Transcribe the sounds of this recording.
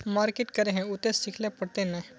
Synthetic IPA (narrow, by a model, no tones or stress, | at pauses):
maːɾkeʈkɐɾeɦɛ̃ʊt̪ẽsɪkʰlepɐɽt̪enɛ̃